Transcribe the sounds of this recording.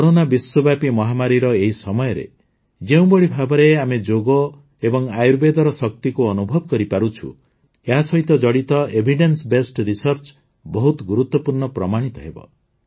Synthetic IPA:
kɔɾonabiswɔbjapimɔɦamaɾiɾɔeɦisɔmɔjɔɾḛ | d͡ʒeũbɔɭibʱabɔɾeamed͡ʒoɡɔ | ebɔŋajuɾbed̪ɔɾɔsɔkt̪ikuɔnubʱɔbɔkɔɾipaɾut͡ʃʰṵ | eɦasɔɦit̪ɔd͡ʒɔɽit̪ɔebʱiɖensbesʈɾisɔɾt͡ʃ | bɔɦut̪ɔɡuɾut̪wɔpuɾɳɔpɾɔmaɽ̃it̪ɔɦebɔ̰

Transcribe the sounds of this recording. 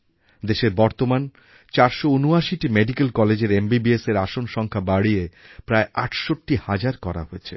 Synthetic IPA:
d̪eʃeɾbɔɾt̪oman | t͡ɕaɾʃounuaʃiʈimeɖikelkɔled͡ʑeɾembibieseɾaʃonʃɔŋkʰabaɽiepɾaeʔaʈʰʃoʈːihad͡ʑaɾkɔɾa̰ɦoet͡ɕʰḛ

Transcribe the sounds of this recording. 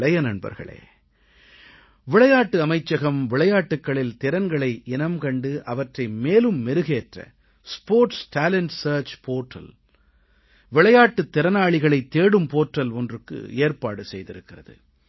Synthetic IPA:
ɭɐjɐnɐɳbɐ̰ɾɣɐ̰ɭḛː | ʋɪɭɐjaːʈːɯɐmɐɪt͡ʃːɐɣɐmʋɪɭɐjaːʈːɯkːɐɭɪlt̪ɪɾɐnɡɐɭɐɪʔɪnɐmkɐɳɖɯʔɐʋɐʈrɐɪmeːlɯmːɛɾɯɣeːʈrɐ̰ | spoːɾʈsʈaːlɛɳʈsɐːɾt͡ʃpoːʈrɐ̰l | ʋɪɭɐjaːʈːɯt̪ːɪɾɐnaːɭɪɣɐɭɐɪt̪ːeːɽɯmpoːʈrɐlɔndrɯkːɯ̰eːɾpaːɽɯsɛjðɪɾɯkːɪrɐðɯ̰

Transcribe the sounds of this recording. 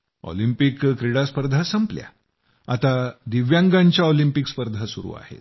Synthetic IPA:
ɔ̰limpikkɾiɽaspəɾd̪ʱasəmplja̰ | a̰t̪ad̪iʋjãŋɡãɲt͡ɕjaolimpikspəɾd̪ʱasuɾṵːa̰hḛt̪̚

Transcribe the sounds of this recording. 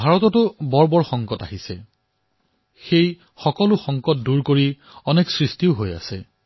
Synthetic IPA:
bʱaɹɔtɔtʊbɔɹbɔɹxɔŋkɔta̰ɦisɛ | xej | xɔkɔlʊxɔŋkɔt̚duɹkoɹi | ɔnɛksɹistiʊɦoja̰sɛ

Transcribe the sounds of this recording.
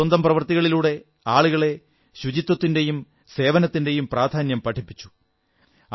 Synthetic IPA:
ɐnd̪ɐmprɐʋɐrt̪iɣɐɭiluːɽe̞ | aːɭuɣɐɭe̞ | ɕud͡ʑit̪wɐt̪ːinde̞jum | se̞ːʋɐnɐt̪ːinde̞jumpraːd̪ʱaːnjɐmpɐʈʰipːi̥t͡ɕːu̥

